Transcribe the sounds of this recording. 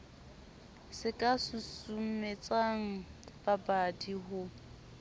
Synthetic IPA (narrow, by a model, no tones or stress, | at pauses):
sɪkʼasʊsum̩met͡sʼaŋ̩b̥abadiɦʊ